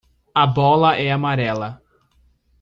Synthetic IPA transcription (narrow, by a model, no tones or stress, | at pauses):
ɐbɔlɐʔɛamaɾɛlɐ